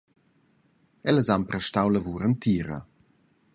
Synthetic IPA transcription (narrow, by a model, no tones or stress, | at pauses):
ɛləzampɾɛʃtawləvuːɾənt̪ʰiːɾə̰